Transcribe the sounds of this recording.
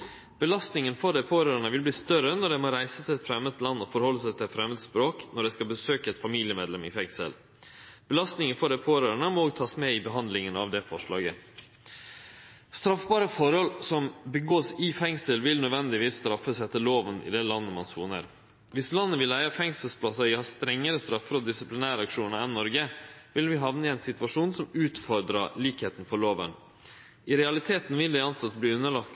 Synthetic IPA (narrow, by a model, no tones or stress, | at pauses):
b̥əlɑst̪nɪŋənfɔɖɛpʰoːɾøːɾəɳəʋɪlbliːst̪œɾənɔɖɛmɔɾæɪsət̪ʰɪlɛt̪fɾɛmːət̪lɑnːɔfɔɾhɔlːəsæɪt̪ʰɪɛfɾɛmːət̪spɾoːknɔɖɛskɑbəsøːkəɛt̪fɑmiːlɪəmeːd̪lɛmɪ̰fɛŋsə̰l | b̥əlɑst̪nɪŋənfɔɖɛpʰoːɾøːɾəɳəmɔoːɡt̪ʰɑːsmɛɪbəɦɑnd̪lɪŋənɑ̰ʋd̪ɛfɔʂɭɑ̰ːɡə | st̪ɾɑfbɑːɾəfɔɾhɔlsɔmbəɡoːsɪfɛŋsəlʋɪlnœd̪ʋɛnd̪ɪʋiːsːt̪ɾɑfːəsɛt̪ːəloːʋənɪ̰d̪ɛlɑnːəmɑnsṵːnə̰ɾ | ʋɪslɑnːəʋɪlæɪɑfɛŋsəlspʰlɑsɑɾɪhɑst̪ɾɛŋːəɾəst̪ɾɑfːəɾɔd̪ɪsɪplɪnæːɾəɑkʂuːnəɾɛnnːɔɾɡəʋɪlʋɪɦɑʋnəɛɪnsɪt̪ʉʋɑʂuːnsɔmʉːt̪fɔɾd̪ɾəliːkheːt̪nfɔɭoːʋən | ɪɾɛɑlɪt̪ʰeːt̪nʋɪld̪ɛɑnsɑt̪ːbliːʉnːəɭɑkt̪